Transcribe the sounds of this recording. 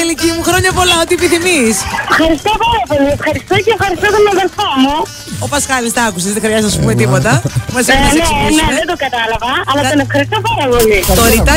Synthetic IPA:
ilicimuxɾo̞ɲɐpo̞lɐo̞t̪iepiθimisfxɐɾist̪opɐɾɐpo̞liefxɐɾist̪oceːfxɐɾist̪ot̪onɐðelfomu | opɐskɐðist̪ɐɐkuseðexɾiɐzisɐspumet̪ipo̞t̪ɐmɐsensesusðed̪oɡɐt̪ɐlɐvɐːlɐonefxɐɾist̪opɐɾɐpolit̪oɾit̪ɐ

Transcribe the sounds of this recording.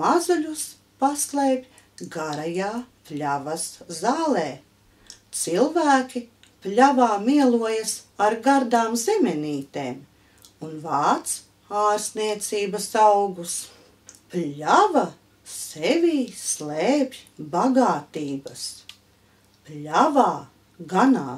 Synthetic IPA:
azuʎʲus | paslˠejbʲ | ɡaɾajaːplʲavɐszaːlˠɛː | t̪silˠvæːkʲi | plʲavaːmiɛlˠuɔjɐsaɾɡaɾd̪aːmzemʲɛniːt̪eːm | unvaːt̪s | aːɾsniɛt̪siːbɐsawɡus | plʲavɐ | sevʲiːsleːbʲbaɡaːt̪iːbɐs | plʲavaː | ɡanaː

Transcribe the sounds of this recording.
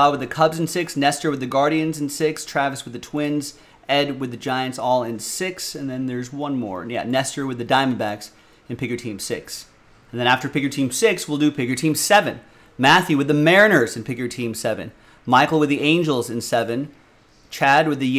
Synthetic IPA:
awɨðɨkʰʌbzɨn̩sɪksnɛstə˞wɨðɨɡɑɹɾiɨ̃nzɨ̃n̩sɪkstʰɹ̥ævɨswɨðɨtʰw̥ɪ̃nz | ɛd̚wɨðɨd͡ʒaɪɨ̃ntsɔlˠɪ̃nsɪksɨ̃nðɨ̃nðə˞zwʌ̃nmɔ̰ɹjæ̰nɛstə˞wɨðɨdãɪ̃mɨ̃n̩bæks | ɨ̃npʰɪɡjə˞tʰĩmsɪks | ɨ̃n̩ðɨ̃ɾ̃æftə˞pɪɡjə˞tʰĩmsɪkswɪlˠdɨpʰɪɡjə˞tʰĩmsɛvɨ̰̃n | mæθjʉwɨðɨmɛɹɨnə˞zɨ̃npʰɪɡjə˞tʰĩmsɛvɨ̰̃n | maɪkl̩ˠwɨðiʔẽɪ̃nd͡ʒl̩ˠzɨ̃nsɛvɨ̃n | t͡ʃʰæd̚wɨðɨ

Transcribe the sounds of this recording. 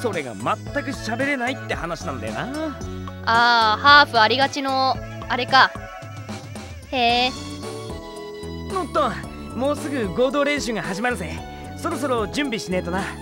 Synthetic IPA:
so̞ɾe̞ɡa̰mat̪ːakɯ̟ɕabe̞ɾe̞nait̪ːe̞hanaɕinãnod̪ajo̰na | aːhaːɸɯaɾʲiɡat͡ɕino̞ | aɾe̞ka | eː | mõt̪ːõ | mo̞ːsɨɡɯ̟ɡo̞ːd̪o̞ːɾẽ̞ɰɕɨŋɡahaʑimaɾɯ̟se | so̞ɾo̞s̬o̞ɾo̞d͡ʑɨ̃mbʲiɕine̞ːt̪ona

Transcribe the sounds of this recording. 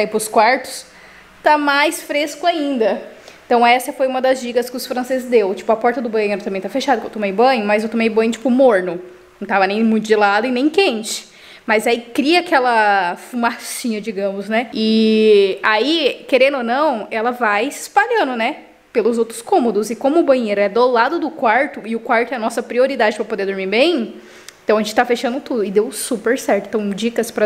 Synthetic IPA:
aipɾʊskwaɾt̪ʊ̥s | t̪amajsfɾeskʊaĩnd̪ɐẽt̪ɐ̃w̃ɛsɐfojũmɐd̪ɐzʒiɡɐskɪʊsfɾɐ̃sezɪzd̪ewt͡ʃi̥pʊɐpɔɾt̪ɐd̪ʊbɐ̃jʊɛ̃ɾɐt̪ɐ̃mbẽj̃t̪afeʃad̪ɐkewt̪omejbɐ̃ɲʊmɐzewt̪õmejbɐ̃jɲʊt͡ʃi̥pʊmoɾnʊnɐ̃w̃t̪avɐnẽj̃mũt̪ʊd͡ʒɪlad̪ʊɪ̃nẽj̃kẽnt͡ʃɪ̥ | mɐzaikɾiɐakɛlɐfumasĩɲɐd͡ʒiɡɐ̃mʊznɛɪ | aikeɾẽnd̪ʊonɐ̃w̃ɛlɐvajspaʎɐ̃nd̪ʊnɛ | pelʊzowt̪ɾʊskõmod̪ʊzɪkõmʊːbɐ̃ɲeɾʊɛd̪olad̪ʊd̪ʊkwaɾt̪ʊɪʊkwaɾt̪ʊɛɐnɔsɐpɾioɾid̪ad͡ʒɪpɾɐpod̪eɾd̪ʊɾmiɾbẽj̃ | ẽt̪ɐ̃w̃ɐʒẽt͡ʃɪt̪afeʃɐ̃nd̪ʊt̪ud̪ʊɪd̪ewsupeɾsɛɾt̪ʊẽt̪ɐ̃w̃d͡ʒikɐspɾɐ

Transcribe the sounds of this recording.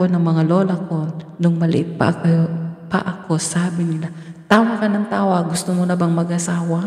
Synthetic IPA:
onɐŋmɐŋaloːlɐkonʊŋmɐlɪ̰ʔɪt̪̚pɐ̰ʔɐjopɐ̰ʔɐko̞saːbɪnɪlat̪aːwɐkɐnɐŋt̪aːwɐɡʊst̪omonɐbɐŋmɐɡʔɐsaːwa

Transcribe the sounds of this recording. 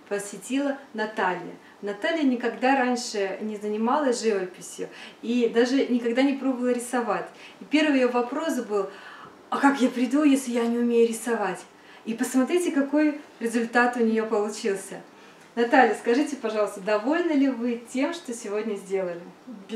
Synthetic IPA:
pəsʲvʲɪtʲilˠənɐt̪alʲjə̰ | nɐt̪alʲjənʲɪkɐɡd̪aɾanʲʂɨnʲɪzənʲɪmalˠəʐɨvəpʲɪsʲjʊ̰id̪aʐɨnʲɪkɐɡd̪anʲɪpɾo̞bəvəlˠəɾʲɪsɐvatʲipʲe̞rvɨjɪjovɐpɾo̞sbɨlˠ | ɐkakjapɾʲɪd̪ujesʲlʲɪjanʲɪʊmʲejʊɾʲɪsɐvatʲ | ipəsmɐt̪ɾʲitʲɪkɐko̞jɾʲɪzʊlʲt̪at̪ʊnʲɪjo̞pəlˠʊt͡ɕilˠsʲə | nɐt̪alʲjəskɐʐɨtʲɪpɐʐɑlˠəst̪əd̪ɐvo̞lʲnəlʲɪvɨtʲe̞mʂt̪osʲɪvo̞dʲnʲəzʲdʲe̞lˠəlʲɪ

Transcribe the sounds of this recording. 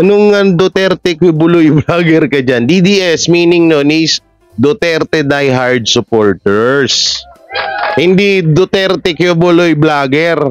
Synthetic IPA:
ʔɐnʊŋɐd̪ot̪ɛɾt̪ɛkjobʊlojblaːɡɛɾkɐd͡ʒand̪id̪iʔɛsmiːnɪŋnonis | d̪ot̪ɛɾt̪ɛd̪ajɦaɹd̪̚sʊpoːɹt̪ɛɹs | hɪnd̪id̪ot̪ɛɾt̪ɛkjobʊlojblaːɡɛɾ

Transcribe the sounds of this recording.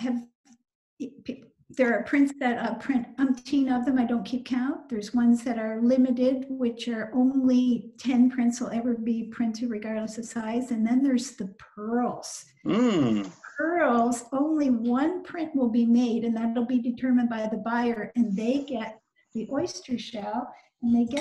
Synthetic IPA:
ɨv | p | ðə˞ːpʰɹ̥ɪ̃ntsðɨɾəpʰɹ̥ɪ̃ntʌ̃ɪ̃mtʰĩnʌvðɨ̃maɪdõʊ̃nkʰip̚kʰãʊ̃nðə˞zwʌ̃nzðɨɾə˞lɪ̃mɨɾɪd̚wɪt͡ʃə˞ʔõʊ̃nlitʰɛ̃npʰɹ̥ɪ̃ntswəlˠɛvə˞bipʰɹ̥ɪ̃ntʰɨɹɨɡɑɹdˡləsɨsaɪzɨ̃nðɨ̃nðə˞zðɨpʰɜ˞l̩ˠz̥ | pʰɜ˞l̩ˠzõʊ̃nliwʌ̃npʰɹ̥ɪ̃nʔwəlˠbimeɪɾɨ̃nðəɾl̩ˠbidɨtʰɜ˞mɨ̃nbaɪðɨbaɪə˞ʔɨ̃nðeɪɡɛt̪̚ | ðiʔɔɪstə˞ʃalˠ | ɨ̃nðeɪɡɛ

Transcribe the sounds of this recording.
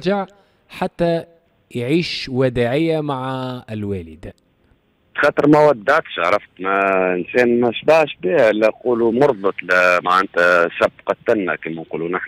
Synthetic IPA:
ʒaʕ | ħat̪ːæ | jʕiːʃwæd̪aʕɪjːamaʕɪlwæːlɪd̪a | t̪xɑt̪əɾmæwæd̪ːaʕt̪ʃʕɾˤɑft̪mæɪnsɛːnmæʃbaʕʃbiːhæʔɪlːæquːlumʊɾˤðˤbət̪ˤlmaʕʔant̪æʃabqɑt̪ːænːæ̰kiːmænquluːnʔaħ

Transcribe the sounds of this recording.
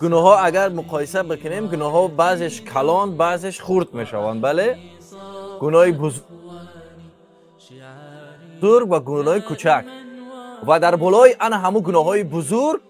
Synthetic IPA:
ɡ̥unɔɦɔaɡaɾmuqʰɔisabekʰinemɡunɔɦɔbazeʃkʰalɔnbazeʃχuɾd̪me̞ʃa̰va̰nd̪bale | ɡunɔib | zuɾɡvaɡunɔikʰut͡ʃʰak̚ | vad̪aɾbɔlɔiʔanɦamuɡunɔɦɔibuzuɾɡ̚

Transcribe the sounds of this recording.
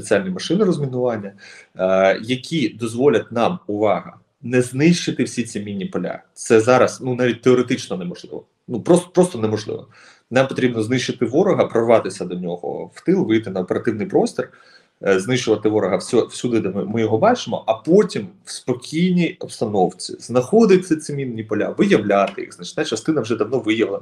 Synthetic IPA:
et͡sʲialʲnʲijmɐʃɪnɪɾɔzmʲinʊʋɑnʲːɐ | jɐkʲid̪ɔzʋɔlʲɐt̚ʲnɑmʊʋɑɦɐ̰ | nɛznɪʃɪt̪ɪwsʲit͡sʲimʲinʲːipɔlʲa̰t̪sɛzɑɾɐsnunɑʋʲit̚ʲt̪eɔɾet̪ɪt͡ʃnɔnɛmɔʒlˠɪ̰ʋɔ̰ | nupɾɔspɾɔst̪ɔnɛmɔʒlˠɪ̰ʋɔ | nɑmpɔt̪ɾʲibnɔznɪʃt͡ʃɪt̪ɪʋɔɾɔɦɐpɾɔrʋɑt̪ɪsʲɐd̪ɔnʲɔɦɔ̰ft̪ɪlˠʋɪjt̪ɪnɐɔpeɾɐt̪ɪʋnɪjpɾɔsʲtʲɔr | znɪʃt͡ʃʊʋɐt̪ɪʋɔɾɔɦɐwsʲɔwsʲud̪ɪd̪ɐmmɪjɔɦɔbɑt͡ʃɪmɔ̰ʔɐpɔtʲimwspɔkʲʰijnʲijɔbst̪ɐnɔwt͡sʲḭznɐxɔd̪ɪt̪̚ʲtsɛsʲimʲinʲːipɔlʲa̰ʋɪjɐʋlʲat̪ɪjḭxznɐt͡ʃnɛt͡ʃɐst̪ɪnɐwʒɛd̪ɐwnɔʋɪjɐʋlˠen

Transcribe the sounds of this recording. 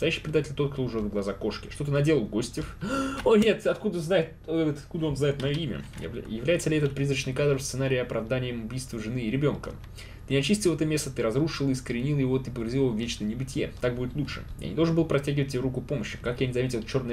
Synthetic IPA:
əsɐjæɕːijpɾʲɪd̪atʲɪlʲt̪o̞t̪kt̪oʊʐɛvɡlˠɐzako̞ʂkʲɪʂt̪ot̪ɨnɐdʲe̞lˠəlˠɡo̞sʲtʲɪfonʲet̪ɐt̪kud̪əznajɪt̪t̪at̪̚kud̪əo̞nznajɪt̪mɐjoimʲə̰jɪvlʲæjɪt̪səlʲɪɛt̪ət̪̚pɾʲizɾət͡ɕnɨjkad̪r̩fssɨnaɾʲɪːɐpɾʔɐvd̪anʲɪjəmʊbʲijst̪vəʐɨnɨːɾʲɪbʲo̞nkə̰ | t̪ɨnʲɪɐt͡ɕisʲtʲɪlˠɛt̪əmʲe̞st̪ət̪ɨɾɐzruʂɨlˠiskəɾʲɪnʲilˠjɪvo̞t̪ɨpəɪɾrzʲilˠəvovʲːet͡ɕnəjnʲɪbɨtʲɪjḛt̪ak̚budʲɪt̪lˠutʂɨ̰ja̰nʲɪd̪oʐnbɨlˠpɾɐtʲːæɡʲɪvət̚ʲːɪbʲeɾukʊpo̞məɕːɪkakjanʲɪzɐmʲetʲɪlˠt͡ɕo̞rnəj

